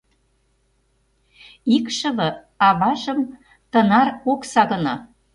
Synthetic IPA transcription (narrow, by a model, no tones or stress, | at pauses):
ikʃɤ̆βɤ̆ | ɑβɑʒə̆m | t̪ɤ̆nɑroksɑɣɤ̆nɑ